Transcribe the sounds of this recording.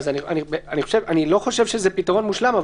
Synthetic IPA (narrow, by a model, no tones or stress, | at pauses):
zania̰nibeaniχoʃevanilo̞χo̞ʃe̞vʃezepitaʁo̞nmuʃlamav